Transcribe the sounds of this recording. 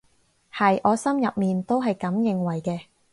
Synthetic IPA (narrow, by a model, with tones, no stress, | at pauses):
hɐ˨jʔɔː˨˧sɐ˥mjɐ˨p̚miː˨nt̪o˥wɦɐ˨jkɐ˨˥mjɪ˨ŋwɐ˨˩jkɛː˧